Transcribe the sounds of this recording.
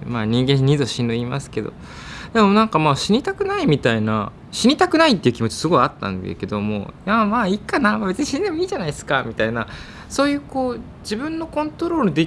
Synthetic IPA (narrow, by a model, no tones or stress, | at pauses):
maːɲ̟ĩŋɡẽ̞ɲʲid̪o̞ɕinɯima̰sɨ̥ke̞d̪o̞̰ | d̪e̞mo̞nãŋkamaːɕiɲ̟it̪akɯ̟naimʲit̪aina̰ | ɕiɲ̟ʲit̪akɯ̟nait̪ːeiɯ̟kʲimo̞t͡ɕi̥sɨɡo̞iat̪ːã̰nd̪ḛke̞d̪o̞mo̞̰amaːikanamabe̞t͡sɨɲ̟iɕiɲd̪e̞moiːʑanaisɨ̥kamʲit̪aina | so̞ːjɯ̟ːko̞ː | d͡ʑibɯ̟̃nːo̞kõ̞nt̪o̞ɾo̞ːɾɯ̟d̪e